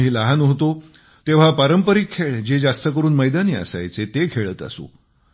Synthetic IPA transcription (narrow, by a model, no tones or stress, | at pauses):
ɦiːləɦanɦot̪o | t̪eʋ̤apaɾəmpəɾikʰːeɭd͡ʑed͡zast̪ək̬əɾuːnməjd̪aniːə̰sa̰jt͡set̪ekʰeɭəːt̪a̰so̰